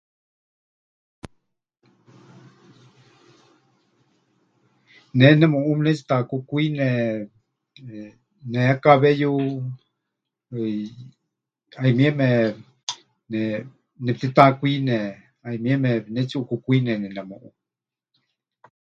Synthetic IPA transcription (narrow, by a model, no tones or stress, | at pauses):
nɛnɛmõʔumnɛt͡ʃi̥t̪ãkukuinɛ | neakaβɛju | aimĩɛmɛ | nɛ | nɛp̚t̪it̪ãkuinɛ̃ | aimĩɛmɛnɛt͡ʃiukukuinɛnɛnɛmõʔu